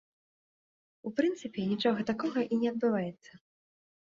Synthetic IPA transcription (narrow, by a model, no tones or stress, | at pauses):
upɾɨnt̪sɨpʲɛnʲit͡ʂɔɣɐt̪akɔɣɐʔinʲɛɐd̪̚bɨvajɛt̪sːɐ